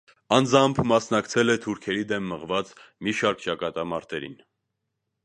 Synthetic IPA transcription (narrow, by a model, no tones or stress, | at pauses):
ɑnd͡zɑmpʰmɑsnɑkt͡sʰɛlɛt̪ʰuɾkʰɛɾid̪ɛmːəʁvɑt͡smiʃɑɾkt͡ʃɑkɑt̪ɑmɑɾt̪ɛɾḭn